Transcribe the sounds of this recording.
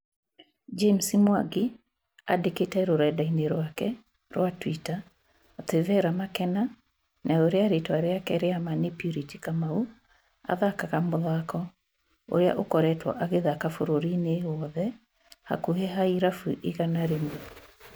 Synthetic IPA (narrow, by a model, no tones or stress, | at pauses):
d͡ʒemsimwaɡi | a̰deketɛɾoɾɛdaineɾwakɛ | ɾwatwitaː | tevɛɾamakɛna | nʔaoɾeaɾetwaɾeakɛɾeamanepjuɾiti̥kamau | a̰ðakaɣamʊðakɔ | o̰ɾea̰ʔokɔɾɛtwɔ̰ʔaɣeðakafoɾoɾineɔðɛ | ha̰kuɦɛɦaiɾafuʔiɣanaɾemu